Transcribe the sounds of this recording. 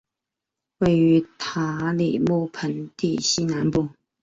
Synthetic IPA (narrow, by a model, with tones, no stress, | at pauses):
we˥˩ɪy˧˥t̪ʰa˧˥li˨˩mu˥˩pʰə˧˥nt̪i˥˩ɕi˥na˧˥npu˥˩